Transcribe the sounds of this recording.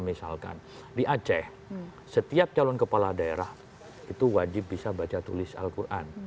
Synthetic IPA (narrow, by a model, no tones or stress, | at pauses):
misa̰lka̰n | diʔat͡ʃɛh | sət̪iap̚t͡ʃalɔnkəpaladaeɾah | it̪uwad͡ʒɪp̚bisabat͡ʃat̪ulɪsa̰lkurʔa̰n